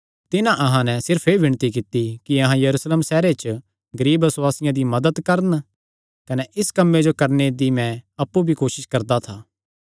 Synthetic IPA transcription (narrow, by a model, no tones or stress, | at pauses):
t̪ɪnãʔɐɦãnɛsɪɾpʰeːʋɪɳ̃t̪ik̬ɪt̪ːikiɐɦãjɐɾuːsleːmsɛːɾet͡ʃ | ɡɐɾiːbɪswaːsɪjãd̪imɐd̪əd̪kɐɾən | kɐnɛʔɪskɐmːed͡ʒokɐɾned̪imɛ̃ɐpːubʱikoːʃɪʃkɐɾd̪at̪ʰaː